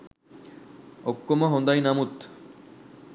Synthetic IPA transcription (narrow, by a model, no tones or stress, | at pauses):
okːomoɦond̪ajnamut̪